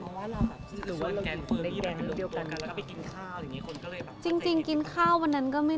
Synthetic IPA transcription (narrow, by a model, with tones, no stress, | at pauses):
ɾɯː˩˦waː˥˩ɾa˧wt̪i˨˩kʰo˧nle˦˥k̚dɛ˦˥˧ɾɯː˦˥di˧əwka˧na˧˩ki˧nkʰaː˥˩wt͡ɕi˧ŋt͡ɕi˧ŋki˧nkʰaː˥˩wa˧nːa˦˥nkɔː˥˩ma˥˩